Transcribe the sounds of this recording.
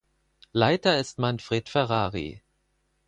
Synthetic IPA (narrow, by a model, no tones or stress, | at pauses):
laɪtɐɪstmanfʁ̥eːtfɛʁaːʁḭ